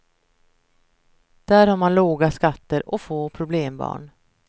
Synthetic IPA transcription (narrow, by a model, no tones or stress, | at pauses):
d̪̥æːɾhaɾmanloːɡaskat̪ːəɾɔfoːpʰɾʊbleːmbɑ̰ːɳ